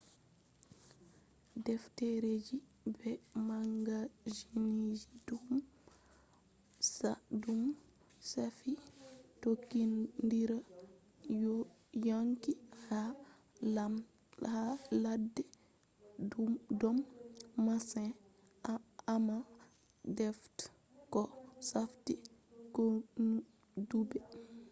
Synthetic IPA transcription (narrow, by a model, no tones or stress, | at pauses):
dɛftɛɾed͡ʒi | bɛmaŋɡad͡ʒinid͡ʒidum | sadum | safitokːindiɾa | jaŋkiha | haladːɛ | dɔmːasɛ̃ | ama | dɛft | kɔsaftikɔn | dubɛ